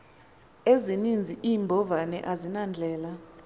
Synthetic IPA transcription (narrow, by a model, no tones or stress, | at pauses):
ezinind͡zʱiʔiːmbʱɔvanɛ̰ʔazinand͡ɮʱɛːla